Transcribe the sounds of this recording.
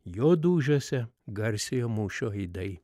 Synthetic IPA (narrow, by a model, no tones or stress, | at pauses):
joːd̪uːʒʲoːsʲɛɡɐɾʲsʲejoːmuːʃʲoːiɪd̪ɐɪ